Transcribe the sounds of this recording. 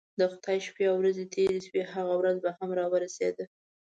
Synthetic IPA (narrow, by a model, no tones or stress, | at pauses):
d̪əxʊ̥t̪ɑjʃpeawɾazet̪ʰeɾeʃwehaɣawɾazbahamɾɑwəɾased̪ə